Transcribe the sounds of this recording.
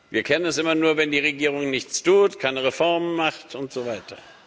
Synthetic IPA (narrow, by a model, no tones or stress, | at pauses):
viːɐkʰɛnənɛsʔɪmɐnuːɐvɛndiːʁ̞eɡiːʁ̞ʊŋnɪçt͡stʰuːtkʰaɪnəʁefɔɐmənmaχtʰʊntz̥oːvaɪtʰɐ